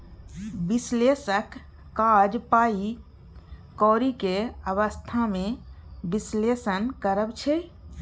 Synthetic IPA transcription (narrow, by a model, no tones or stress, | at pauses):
bislesəkː | ad͡ʒpai | kɔɾikeəbəst̪ʰamebislesənkəɾəbt͡ʃʰɛ